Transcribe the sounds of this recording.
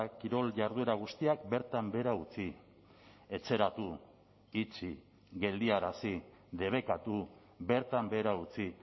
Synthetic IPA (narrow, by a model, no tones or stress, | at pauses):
kiɾo̞lʝaɾðue̞ɾaɣ̞ust̪iak̚be̞ɾt̪ambe̞ɾaut͡si | e̞t͡se̞ɾat̪u | it͡ʃi | ɣe̞ld̪iaɾasi | ðe̞β̞e̞kat̪u | be̞ɾt̪ambe̞ɾaut͡si